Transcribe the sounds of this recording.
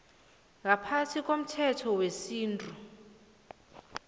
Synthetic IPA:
ŋʱapʰatʰikʼom̩tʰɛtʰɔwesiːntʼu

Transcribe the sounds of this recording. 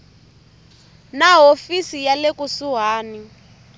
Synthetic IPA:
naɦofisijalekusuɦaːni

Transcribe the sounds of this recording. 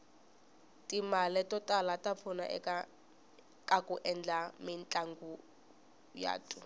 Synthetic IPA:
tʼimalɛtʼɔtʼalatʼap̪fʰuna̰ʔɛ̰ka | kʼakʼuʔɛnd͡ɮamint͡ɬʼaŋɡu | ja̰ːtʼu

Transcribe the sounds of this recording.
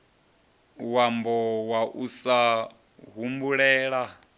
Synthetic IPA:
wambɔwaʔusa | ɦumbuɺɛːɺa

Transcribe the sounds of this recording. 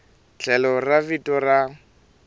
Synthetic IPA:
t͡ɬʰɛlɔravitʼɔra

